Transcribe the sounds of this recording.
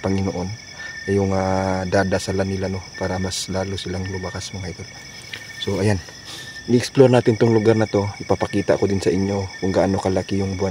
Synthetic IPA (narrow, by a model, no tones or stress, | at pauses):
pɐŋɪnoʔo̞n | ɐjʊŋad̪ad̪asalanɪlano̞paːɾɐmaslaːlusɪlaŋlʊmakasmɐŋaʔit̪ot̪ | so̞ʔɐjan | ʔɪʔɛksploɾnaːt̪ɪnt̪oŋlʊɡaɾnɐt̪o̞ʔɪpapɐkiːt̪aʔkod̪ɪnsɐʔɪɲjo̞kʊŋɡaʔanokɐlakɪjʊŋbua